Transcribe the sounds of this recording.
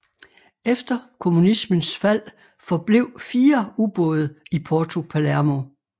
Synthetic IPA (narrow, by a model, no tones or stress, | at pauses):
efd̥ɐkʰo̝munismənsfæl̰ | fɒ̽b̥le̝ʊ̰fiːɐub̥ɔ̽ːð̞ˠɐipʰɒːt͡sʰo̝pʰælæɐmo̝